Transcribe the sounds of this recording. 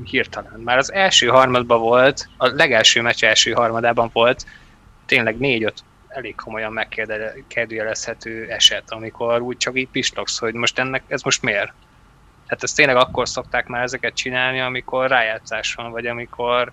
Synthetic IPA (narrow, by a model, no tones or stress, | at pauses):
hirt̪ɒlɒnmaːɾɒzɛlʃøːɦɒrmɒd̪bɒvo̞lt̪ɒlɛɡɛlʃøːmɛt͡ʃɛɛlʃøːɦɒrmɒd̪aːbɒɱvo̞lt̪ː | eːnlɛɡneːɟøt̪ | ɛleːkkʰo̞mo̞jɒmːɛkːeːd̪ɛkɛd̪yjɛlɛshɛt̪ʰøːɛʃɛt̪ɒmikʰo̞ɾuːc̚t͡ʃɒkiːc̚piʃlo̞ksho̞ɟmo̞ʃt̪ɛnːɛkɛzmo̞ʃt̪meːr | t̪aːt̪ɛst̪eːnlɛɡɒkːo̞rso̞k̚t̪aːkmaːɾɛzɛkɛt̪̚t͡ʃinaːlniɒmikʰo̞rːaːjaːt̪saːʃʋɒɱvɒɟɒmikʰo̞r